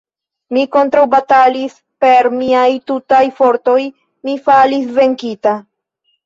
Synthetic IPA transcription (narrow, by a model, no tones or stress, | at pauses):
miko̞ntɾawbatalis | pe̞ɾmiajtutajfo̞ɾto̞j | mifalisve̞ŋkita